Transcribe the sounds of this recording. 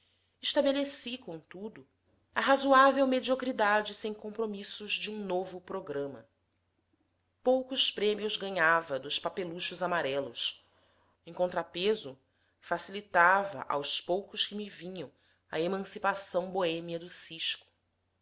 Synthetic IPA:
ɪʃt̪abelesikõt̪ud̪ʊ | ɐɦazuavewmed͡ʒiokɾid̪ad͡ʒɪsẽj̃kõpɾomisʊʒd͡ʒɪũnovʊpɾoɡɾɐ̃mɐ̰ | powkʊʃpɾẽmiʊzɡɐ̃ɲavɐd̪ʊʃpapeluʃʊzamaɾɛlʊs | ẽj̃kõnt̪ɾapezʊ | fasilit̪avɐ̰ʔa̰wspowkʊʃkɪmivĩɲɐ̃w̃ | ɐ̰emɐ̃sipasɐ̃w̃boẽmiɐd̪ʊsiʃkʊ̥

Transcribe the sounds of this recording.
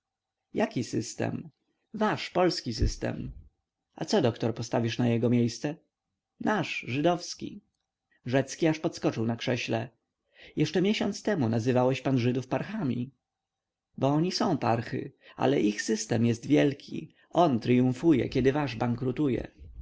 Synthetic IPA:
jakʲisɘst̪ɛ̰m | vaʂpɔlskʲis̬ɘst̪ɛ̰m | a̰t̪sɔd̪ɔkt̪ɔɾpɔst̪avʲiʂnajɛɡɔmʲjejst̪sɛ | naʂʐɘd̪ɔfskʲḭ | ʐɛt̪skʲiaʂpɔt̪skɔt͡ʂɘwnakʂɛɕlɛ | jɛʂt͡ʂɛmʲjɛɕɔnt̪st̪ɛmunazɘvawɛɕpanʐɘd̪ufpaɾxamʲi | bɔɔɲisɔ̃w̃paɾxɘ̰a̰lɛʔixsɘst̪ɛmjɛst̪vʲjɛlkʲʰḭ | ɔnt̪ɾɘjũfujɛ̰kʲɛd̪ɘvaʐbaŋkɾut̪ujɛ̰

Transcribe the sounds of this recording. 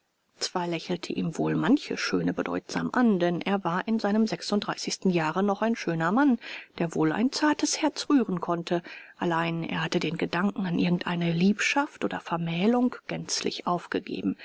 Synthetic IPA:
t͡sv̥aːɐlɛçl̩tʰəʔiːmvoːlmançəʃøːnəbədɔ̰ʏtz̥a̰ːmʔandɛnʔḛːɐvaːɐʔɪnzaɪnəmzɛksʊntd̥ʁaɪsɪçstn̩jaːʁənɔχaɪnʃøːnɐmand̥eːɐvoːla̰ɪnt͡saːɐtəshɛɐt͡sʁ̥yːʁənkʰɔntʰəʔalaɪnḛːɐhatədeːnɡədaŋkŋ̩anʔɪɐɡŋ̩tʔa̰ɪnəliːpʃaftʔoːdɐfɛɐmɛːlʊŋkɡ̥ɛnt͡slɪ̰çʔaʊfɡ̥əɡḛːbm̩

